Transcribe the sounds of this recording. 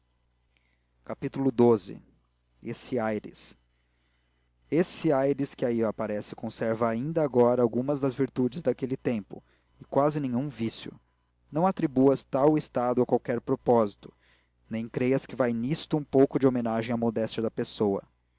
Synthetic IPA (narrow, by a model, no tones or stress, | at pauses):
kapit̪ulʊd̪ozɪ̰ | esɪajɾɪ̰s | esɪajɾɪskɪaiapaɾɛsɪ̥kõsɛɾvɐaĩnd̪ɐːɡɔɾɐawɡũmɐzd̪ɐzviɾt̪ud͡ʒɪzd̪akelɪt̪ẽmpʊ̰ | ɪkwazɪnẽjɲũvisjʊ̰ | nɐ̃w̃at̪ɾibuɐst̪awɪst̪ad̪ʊɐkwawkɛɾpɾopɔzit̪ʊ̥ | nẽj̃kɾejɐskɪvajnist̪ʊũpowkʊd͡ʒɪomẽnaʒẽj̃amod̪ɛst͡ʃɐd̪ɐpesowɐ̰